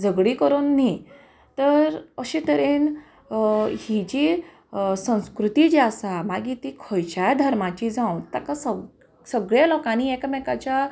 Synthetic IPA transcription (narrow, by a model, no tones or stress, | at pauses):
d͡zʱəɡɽikəɾonːi | t̪əɾəɕẽt̪əɾen | hid͡ʑi | sə̃w̃skɾut̪id͡ʑiasamaɡit̪ikʰɔjt͡ɕad̪ʱəɾmat͡ɕid͡zãwt̪akasə | səɡɭjalɔkãniɛkamɛkat͡ɕa